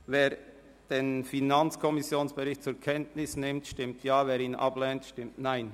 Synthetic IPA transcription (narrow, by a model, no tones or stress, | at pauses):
veːɾ | d̥eːnfinant͡skʰɔmɪsjoːnsb̥ɛɾɪçtt͡suːɾkʰɛntnɪsnɪmtʃtɪmtʰjaːveːɾiːnʔa̰b̥lɛːntʃtɪmtnaɪn